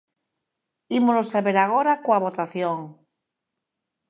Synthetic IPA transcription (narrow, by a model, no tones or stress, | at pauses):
imolosaβeɾaɣ̞oɾakoaβ̞ot̪aθjoŋ